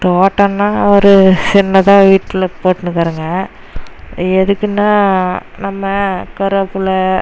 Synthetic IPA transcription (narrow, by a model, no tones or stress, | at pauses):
ʈoːʈːɐnːaːɐɾɯsɪnːɐt̪ãːʋiːʈːɪlɐpoːʈːɯnɯkːaːɾɯŋɡɐ | ɛðɯkːɯnːaːnɐmːɐkɐɾɐpːɯlɐ